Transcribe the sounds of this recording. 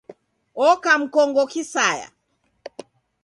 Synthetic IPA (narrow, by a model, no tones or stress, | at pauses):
ɔkam̩kɔŋɡɔkisaja̰